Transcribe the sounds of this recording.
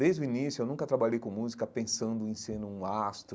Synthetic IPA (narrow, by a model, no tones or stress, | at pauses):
d̪ejzd̪ʊinisjʊewnũkɐt̪ɾabaʎejkõmuzikɐpẽsɐ̃nd̪ʊẽsẽnʊũast̪ɾ